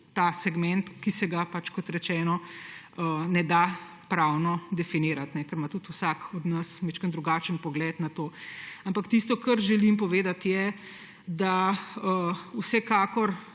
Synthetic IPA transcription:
t̪asɛɡmɛnt̪kisɛɡapat͡ʃkɔt̪ɾɛt͡ʃɛːnɔənɛd̪a | pɾawnɔd̪ɛfiniːɾat̪nɛkəɾmat̪ut̪usakɔd̪nɐsmɛt͡ʃkənd̪ɾuɡat͡ʃənpɔɡlɛt̪nat̪oːampakt̪ist̪ɔkɐɾʒɛlimpɔʋeːd̪at̪jɛ | d̪aəusɛkaːkɔɾ

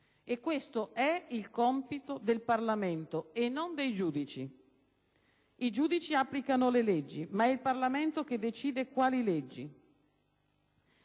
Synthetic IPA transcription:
ekːwest̪oʔɛilkɔmpit̪od̪elparlament̪oenːond̪ejd͡ʒuːd̪it͡ʃi | id͡ʒuːd̪it͡ʃiapːlikanoleled͡ʒːimaɛilparlament̪ok̟ed̪ːet͡ʃiːd̪ekwaːliled͡ʒːi

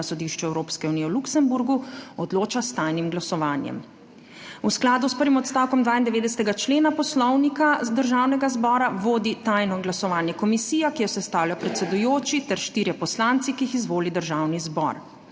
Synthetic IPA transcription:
asɔd̪iʃt͡ʃɛɛwɾoːpskɛuniːɛwluksɛmbuɾɡuɔd̪loːt͡ʃast̪ajnimɡlasɔʋaːnjɛ̰m | usklaːd̪uspəɾʋimɔt̪st̪awkɔmd̪ʋaːind̪ɛʋeːd̪ɛsɛ̥t̪ɛɡat͡ʃleːnapɔslɔwnikad̪əɾʒaːwnɛɡazbɔːɾaʋoːd̪it̪ajnɔɡlasɔʋaːnjɛkɔmisiːjakijɛsɛst̪aːwlʲjapɾɛt̪sɛd̪ujoːt͡ʃit̪ɛɾʃt̪iɾjɛpɔslaːnt̪sikiixizʋoːlid̪əɾʒawnizbɔ̰ɾ

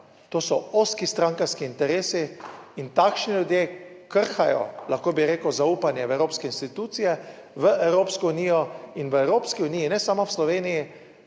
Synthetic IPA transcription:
t̪oːsɔoskist̪ɾãŋkaɾskiːnt̪ɛɾeːsiːnt̪aːkʃniljud̪jekəɾxajɔ̰lʔaxkoːbiɾeːkwzauːpanjɛʋɛwɾoːpskɛinst̪it̪uːt̪sijɛ | ʋəʔɛwɾoːpskɔuniːjɔinʋəɛwɾoːpskiuniːjinɛsamɔwslɔʋeːniji

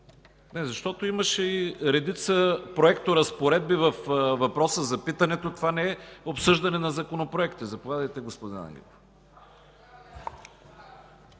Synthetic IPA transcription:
nɛzɐʃt̪ɔt̪oiməʃɛiɾɛd̪it̪səpɾoɛkt̪oɾɐspoɾɛd̪̚bivɐfvɐpɾɔsəzɐpit̪ɐnɛt̪ot̪ovanɛɛopsɤʒd̪ɐnɛnɐzɐkonopɾoɛkt̪izɐpovʲad̪əjt̪ɛɡospod̪ina̰ŋɡʲɛ̰lˠ

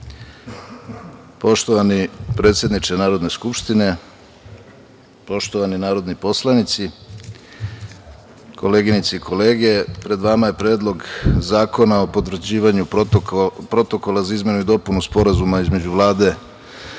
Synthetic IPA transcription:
po̞ʃt̪o̞ʋanipɾe̞ːt̪sje̞d̪nit͡ʃenaːɾo̞d̪ne̞skupʃt̪ine̞ | po̞ʃt̪o̞ʋaninaːɾo̞d̪nipo̞slˠanit̪si | ko̞le̞ːɡinit̪seiko̞le̞ːɡe̞pɾe̞d̪ʋamaje̞pɾe̞ːd̪lˠo̞ɡzaːko̞nao̞po̞t̪ʋr̩d͡ʑiːʋaɲu | pɾo̞t̪o̞ko̞lazaizme̞nuid̪o̞punuspo̞ɾazumaizme̞d͡ʑuʋlˠaːd̪e̞

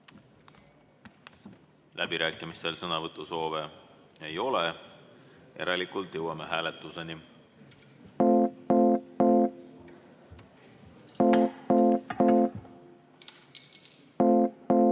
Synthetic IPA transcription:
lʔæb̥iɾæːkːˑimist̪e̞lsɤnɑvɤt̪ːˑuso̞ːve | ejo̞le | e̞̰ɾɑlikult̪ˑjɤwɑmeɦæːlet̪ːˑuse̞ni

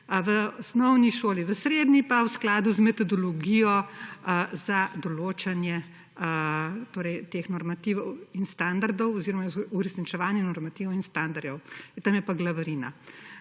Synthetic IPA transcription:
ʋəɔsnɔwniʃoːliʋəsɾeːd̪nipawsklaːd̪uzmɛt̪ɔd̪ɔlɔɡijɔ | zad̪ɔloːt͡ʃanjɛ | t̪oːɾɛjt̪exnɔɾmat̪iʋinst̪and̪aɾd̪ɔwɔziɾɔmauɾɛsnit͡ʃɛʋaːnjɛnɔɾmat̪iʋɔwinst̪and̪aɾd̪ɔwt̪amjɛpaɡlaʋɾina̰

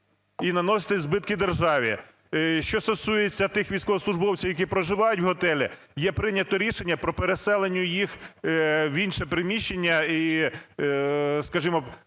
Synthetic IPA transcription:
inɐnɔsʲɐ̥t̪ɪzbɪt̪̚kɪd̪erʒɑʋʲi | ʃt͡ʃɔst̪ɔsujet͡sʲːɐt̪ɪxʋʲijsʲkɔɦɔslˠʊʒbɔwt͡sʲiwjɐk̬ipɾɔʒɪʋɑjʊtʲwɦɔt̪ɛlʲi | jɛpɾɪnʲɐt̪ɔɾʲiʃenʲːɐpɾɔpeɾesɛlˠenʲːʊjix | wʲinʃɛpɾɪmʲiʃt͡ʃːenʲːɐi | skɐʒimɔ

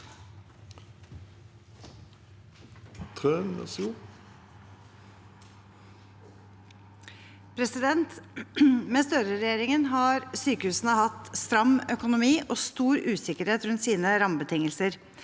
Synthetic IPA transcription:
t̪ʰʁøːnɛ̰suː | pʰɾɛsɪd̪ɛnt̪ | mest̪œɾəɾɛjeːɾɪŋənɦɑːɾsyːkəhʉːsnəhɑt̪st̪ɾɑmːœkʊnʊmiːʔoːst̪uːɾʉːsɪkəɾheːt̪ɾʉnt̪siːnəɾɑmbət̪ʰɪŋːəlsəɾ

